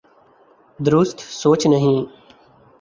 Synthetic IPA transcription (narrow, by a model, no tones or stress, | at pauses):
d̪ɾʊst̪ʰsoːt͡ʃnəɦĩː